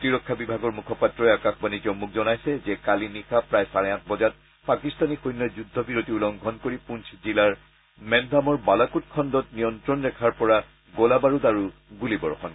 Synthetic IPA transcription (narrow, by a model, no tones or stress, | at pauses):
tiɹɔkʰːabibʱaɡɔɹmukʰɔpatɹɔɛakaxbanizɔmuk̚ʰzɔnajsɛzɛkalinixapɹajsaɹɛãntʰbɔd͡ʒat̚ | pakistanixojnːɔzudʱːɔbiɹotiulɔŋɡʱɔnkoɹipunszilaɹ | mɛndʱamɔɹbalakut̚kʰɔndɔt̚nijɔntɹɔnɹɛkʰaɹpɔɹa | ɡolabaɹudaɹuɡulibɔɹɔxɔn